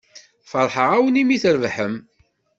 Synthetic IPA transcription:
fəɾˤħəʁæwənimiθəɾvħəm

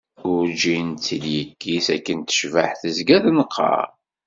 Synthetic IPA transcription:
ʊɾd͡ʒint͡sːiljəkːisækːənt̪ə̥ʃvaħθəzɡæðnəqʰːɑ̰ɾ

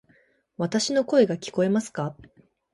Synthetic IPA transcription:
βat̪aɕino̞ko̞e̞ɡakʲi̥ko̞e̞masɨ̥ka

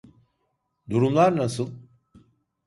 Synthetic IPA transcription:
d̪uɾumlˠaɾnasɯlˠ

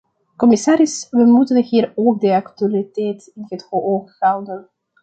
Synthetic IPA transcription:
kɔmɪsaːɾɪsʋəmutənɦiːroːk̚dəaktyalitɛjtɪnɦətxoʔoːxːawdən

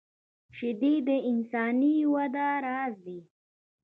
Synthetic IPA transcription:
ʃɪd̪id̪əɪnsɑːniwad̪aɾɑːzd̪i

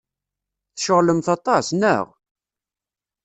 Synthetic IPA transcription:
θʃəʁləmθɑt̪ˤɑsnə̰ʁ

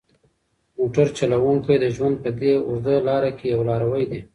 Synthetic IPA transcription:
moʈaɾt͡ʃalawuŋkajd̪əʒwand̪̚pəd̪eʊɾd̪əlɑɾakejawlɑɾawəjd̪e

